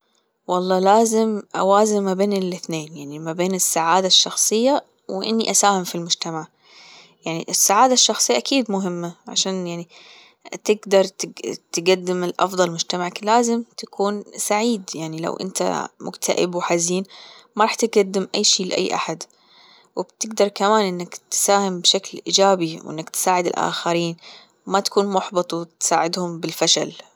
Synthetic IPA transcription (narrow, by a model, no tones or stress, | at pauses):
wɑlˤːɑːlaːzɪmʔa̰waːzɪmːabeːnɪlʔɪθneːnjaʕnimabeːnɪsːaʕaːd̪aʃːɑxsˤɨjːa | wɪʔɪ̰nːiʔasaːhɪmfilmʊd͡ʒt̪amaʕ | jaʕniʔɪsːaʕaːd̪aʃːɑxsˤɨjːaʔakiːd̪mʊɦɪmːaʕa̰ʃaːnjaʕni | t̪ɪɡd̪ɑɾˤt̪ɪt̪ɪɡad̪ːɪmɪlʔɑ̰fd̪ˤɑlmʊd͡ʒt̪amaʕlaːzɪmt̪akʰuːnsaʕiːd̪jaʕnila̰wʔɪ̰nt̪a̰mʊ̰ɡt̪ʰaʔɪ̰bwɪħaziːnmaɑɾˤɑːħt̪ɪɡad̪ːɪmʔa̰jːʃiːlɪʔa̰jːʔa̰ħad̪ | wɪb̥t̪ɪɡd̪ɑɾˤkamaːnʔɪnːakt̪saːhɪmbʃaklʔḭːd͡ʒaːbiwʔɪ̰nːakt̪saːʕɪd̪ɪ̰lʔa̰ːxaɾiːn | mat̪ḁkuːnmʊħbɨt̪ˤt̪saːʕɪd̪hʊmbɪlfaʃa̰l